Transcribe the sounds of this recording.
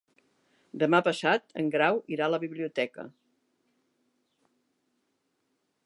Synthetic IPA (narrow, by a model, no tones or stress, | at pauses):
d̪əmapəsat̪ə̰ŋɡɾawiɾaləβiβliut̪ɛkə̰